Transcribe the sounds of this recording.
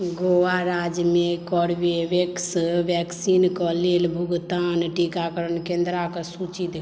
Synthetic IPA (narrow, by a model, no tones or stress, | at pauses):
ɡoːwaɾaːd͡ʒmẽkɔɽʋeʋeksʋjɛːksiːnkɔleːlbʱuɡt̪aːnʈikakəɾənkẽːnd̪ɾakəsut͡ʃit̪